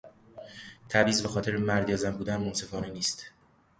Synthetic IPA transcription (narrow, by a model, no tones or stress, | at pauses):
t̪ʰæbiːzbexɒːt̪ʰe̞ɾemæɾd̪iɒːzæmbuːd̪ænmonse̞fɒːneniːst̪